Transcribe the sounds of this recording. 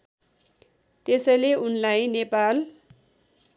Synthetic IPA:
t̪esʌleunlajnepal

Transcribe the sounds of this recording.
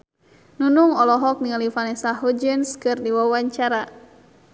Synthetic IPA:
nunuŋɔlɔɦɔk̚niŋalifanɛsaɦud͡ʒənskɨrdiwawaɲt͡ʃaɾa

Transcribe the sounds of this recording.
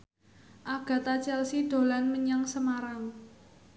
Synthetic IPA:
ʔaɡ̥ä̤t̪at͡ʃɛlsiɖ̪̥o̤lanməɲaŋsəmaɾam

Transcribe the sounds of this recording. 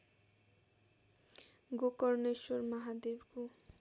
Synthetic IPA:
ɡokoɾneʃoɾmaɦad̪ibɡu

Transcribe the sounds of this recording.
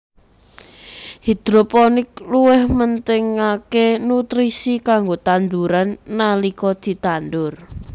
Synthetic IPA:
hid̪̥ɾopɔnɪk̚luwɪhmənt̪ɪŋakenut̪ɾisikaŋɡot̪and̪uɾanːalikɔd̪̥i̤t̪and̪ʊr

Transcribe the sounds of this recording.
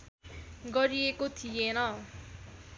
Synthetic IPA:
ɡʌɾiekot̪ʰijenʌ

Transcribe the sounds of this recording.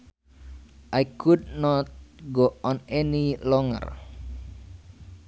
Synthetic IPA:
ʔajkʰudnɔt̪̚ɡoɔnɛnilɔŋə̰r

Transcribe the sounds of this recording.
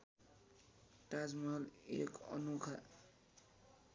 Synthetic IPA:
ʈad͡zmʌlekʌ̰nukʰa

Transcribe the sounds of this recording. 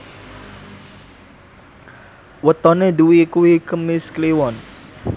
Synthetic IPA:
wət̪ɔneduwikuwikəmɪskliwɔn

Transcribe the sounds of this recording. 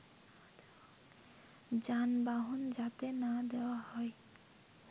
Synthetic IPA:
d͡ʑanbaɦund͡ʒat̪enad̪ewahɔe

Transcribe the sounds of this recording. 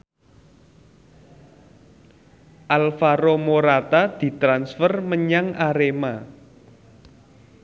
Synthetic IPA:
ʔalfaɾomoɾat̪ad̪̥i̤t̪ɾansfərməɲaŋʔaɾema

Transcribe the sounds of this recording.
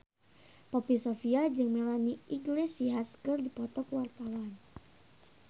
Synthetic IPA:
pɔpisofiad͡ʒɨŋmelaniʔiŋɡlisiɦaskərdipɔt̪ɔkwart̪awan

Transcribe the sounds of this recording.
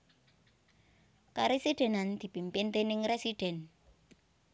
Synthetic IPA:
kaɾesiɖ̪̥ɛ̤nand̪̥i̤pimpɪnt̪enɪŋresiɖ̥ɛ̤n

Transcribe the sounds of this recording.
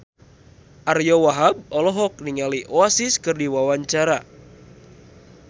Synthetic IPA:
ʔarjɔwaɦab̚ɔlɔɦɔk̚niŋaliʔɔasiskɨrdiwawaɲt͡ʃaɾa

